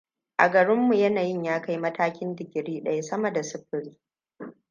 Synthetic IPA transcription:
ʔa̰˨ɡɐ˨ɽɪ˦mːu˨jɐ˦naː˨jɪ˦˨ɲjaː˦ka˦jmɐ˦taː˦kʲɪ˦ndɪ˨ɡʲɪ˨ɽiː˦ɗɐ̰˦ja˦˨sɐ˦mɐ˨da˨sʊ˦ɸɪ˦ɽiː˦

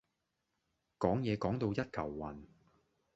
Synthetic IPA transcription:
kɔː˨˥ŋjɛː˨˧kɔː˨˥ŋt̪o˧wjɐ˥t̚kʰɐ˨˩wːɐ˨˩n

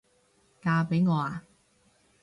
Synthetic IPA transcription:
kaː˧pe˨˥jŋɔː˨˧aː˨

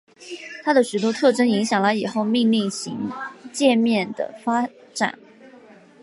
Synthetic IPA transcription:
t̪ʰa˥d̪ə˨ʂy˨˩t̪wɔ˥t̪ʰɤ˥˩ʈ͡ʂə˥ni˧˥ŋɕjɑ˨˩ŋlə˧˥ɪi˨˩xo˥˧ʊmi˥˧ŋli˥˩ŋɕḭ˧˥ŋt͡ɕjɛ˥˧nmjɛ˥˩nd̪ə̰˩fa˥ | ʈ͡ʂa̰˨˩˦n

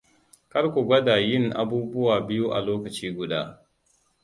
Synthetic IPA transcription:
kɐ˦ɽkʷu˨ɡʷɐ˦daː˨jɪ˦˨ŋʔa̰˦buː˦bʊ˦waː˨bɪ˦ju˦ʔa̰˨loː˦kɐ˨t͡ʃiː˦ɡʷʊ˨daː˦

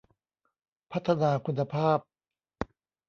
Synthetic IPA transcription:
pʰa˦˥t̪ʰːa˧naː˧kʰu˧nːa˧pʰaː˥˩p̚

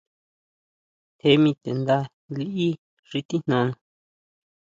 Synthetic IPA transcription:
t̪ʰe˧˦mĩ˧t̪e˨nd̪a˧ | li˦ʔi˦ | ʐ̥i˧t̪i˦n̥ã˧˦nã˧

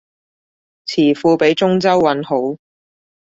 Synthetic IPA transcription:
t͡sʰiː˨˩fuː˧pe˨˥jt͡ʃʊ˥ŋt͡sɐ˥wːɐ˨˥nho˨˥w

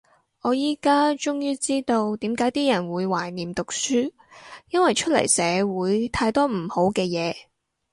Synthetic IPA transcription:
ʔɔː˨˧jiː˨kaː˥t͡ʃʊ˥ŋjyː˥t͡siː˥t̪o˧wt̪iː˨˥mkaː˨˥jt̪iː˥jɐ˨˩nwuː˨˧jwaː˨˩jniː˨˩mt̪ʊ˨k̚syː˥ | jɐ˥nwɐ˨jt͡ʃʰɵ˥t̚lɐ̰˨˩jsɛː˨˧wuː˨˧jt̪ʰaː˧jt̪ɔː˥m̩˨˩ho˨˥wkɛː˧jɛː˨˧

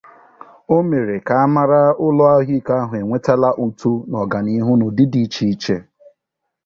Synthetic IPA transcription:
o˦me˨ɾe˨ka˨a˦ma˦ɾa˦ʊ˦lɔ˦a˦ɦi˦ka˦ɦʊ˨e˨ŋʷe˦ta˦la˦ʔu˦tu˦nɔ˨ɡa˨ni˦ɦʊ˦nʊ˨dɪ˦di˦t͡ʃi˦i˦t͡ʃe˦

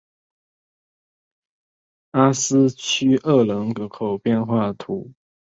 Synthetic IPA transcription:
a˥s̩˦t͡ɕʰy˥ʔə˥˩lə˧˥ŋkə˧˦kʰo˨˩ʊpjɛ˥˧nxwa˥˩t̪ʰu˨˦

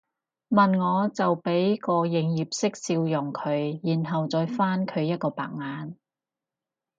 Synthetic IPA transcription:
mɐ˨nŋɔː˨˧t͡sɐ˨wpe˨˥jkɔː˧jɪ˨˧ŋjiː˨p̚sɪ˥k̚siː˧wjʊ˨˩ŋkʰɵ˨˧ɥjiː˨˩nɦɐ˨wt͡sɔː˨˧jfaː˥nkʰɵ˨˧ɥjɐ˥t̚kɔː˧pa̰ː˨k̚ŋaː˨˧n

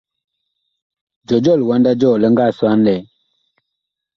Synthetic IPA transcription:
d͡ʒɔ˨d͡ʒɔ˦˨lwa˨˦nda˦d͡ʒɔ˦˨lə˦ŋ̩˦ɡa˦˨swa˦n˦lɛ˨

